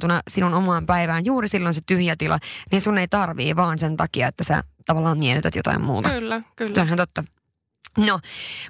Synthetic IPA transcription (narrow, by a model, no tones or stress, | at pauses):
t̪unɑsinunomɑːmpæiʋæːnjuːɾisilːonset̪yhjæt̪ilɑ̰niːnsunːeit̪ɑrʋḭːʋɑːnsent̪ɑkiɑ̰et̪ːæsæ̰t̪ɑʋɑlːɑːmmienyt̪æt̪jot̪ɑ̰immṵːt̪ɑːkːsonhænt̪ot̪ːɑ | no